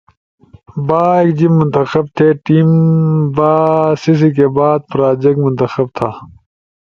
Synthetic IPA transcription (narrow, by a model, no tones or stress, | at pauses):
baːeːkd͡ʑimːʊnt̪ɐxɐb̚t̪ʰeʈiːmbaːsis̬ikebaːd̪̚pɾaːd͡ʑek̚ʈmʊnt̪ɐxɐb̚t̪ʰaː